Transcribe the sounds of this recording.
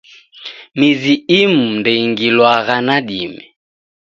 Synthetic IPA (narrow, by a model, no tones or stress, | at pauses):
miziimundɛiŋɡilwaɣanaɗimɛ̰